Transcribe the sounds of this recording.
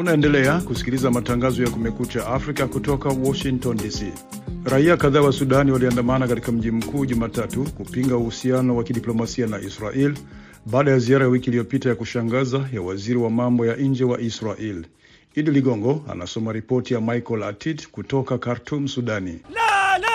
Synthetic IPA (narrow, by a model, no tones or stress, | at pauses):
unaɛndɛlɛakusi̥kilizamataŋɡazɔjakumɛkut͡ʃaʔafɾikakutɔkawɔʃiŋtɔndisi | ɾaiakaðaːwasuɗaniwaliandamanakatikam̩ʄim̩kuːʄumaːtatukupiŋɡauhusianɔwakiɗiplɔmasianaʔisɾaʔil | ɓaːɗajaziaɾajawikilijɔpitajakuʃaŋɡazajawaziɾiwamambɔjaʔɲɲd͡ʒɛwaʔisɾaʔɛl | iɗiliɠɔŋɡɔa̰na̰sɔmaɾipɔtijamajkɔlatʰidkutɔkakaɾtʰumsuɗani